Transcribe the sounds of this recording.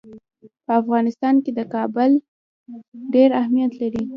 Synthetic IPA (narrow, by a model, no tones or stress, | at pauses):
pəafɣɑnɪst̪ɑnked̪əkɑbʊl | ɖeɾahmijat̪laɾi